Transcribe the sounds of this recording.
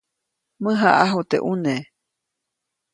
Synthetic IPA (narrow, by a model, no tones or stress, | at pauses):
mɨ̃ɦaʔaɦot̪ḛʔune